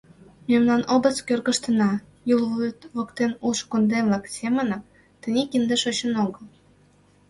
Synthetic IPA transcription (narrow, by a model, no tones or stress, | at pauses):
mʲemlɑnobə̆t͡skʲørɣəʃt̪ə̆nɑ | julvyt̪βokt̪enulʃkond̪emvlɑksʲemənə̆m | t̪ə̆nʲekind̪eʃot͡ɕə̆noɣə̆l